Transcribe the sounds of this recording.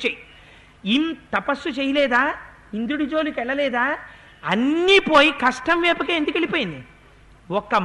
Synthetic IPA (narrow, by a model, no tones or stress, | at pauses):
t͡ʃej | imt̪ɐpɐsːut͡ʃeːjɐlɛːd̪aː | ind̪uɽud͡ʒo̞ːlukɛɭːɐlɛːd̪aː | ɐnːipo̞ːjikɐʂʈɐmʋɛːpɐkeːnd̪ukelipoːjind̪i | ɔkːɐ